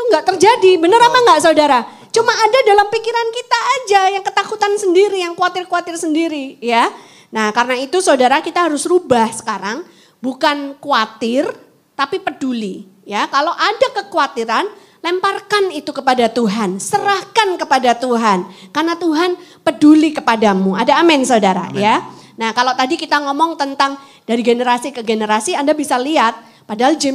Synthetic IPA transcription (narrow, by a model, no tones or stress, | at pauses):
t̪uŋɡaʔt̪ərd͡ʒadibənəɾapaŋɡaʔsaudaɾa | t͡ʃumaːdadalampikiɾankit̪aːd͡ʒajaŋkət̪akut̪ansəndiɾijaŋkwat̪ɪrkuwat̪ɪrsəndiɾija | nahkarənait̪usaudaɾakit̪aɦaɾʊsrubahsə̥kaɾaŋ | bukankuat̪ɪr | t̪apipəduli | jakalowʔadakəkuat̪iɾan | lɛmparkanit̪ukəpadat̪uɦansəɾahkankəpadat̪uɦankarnat̪uɦanpədulikəpadamuadaːmɛnsadaɾa̰jjanahkalowt̪adikit̪aŋɔmɔŋt̪ənt̪aŋ | daɾiɡenəɾasikəɡenəɾasiandabisaliat̪̚ | padaɦald͡ʒɛ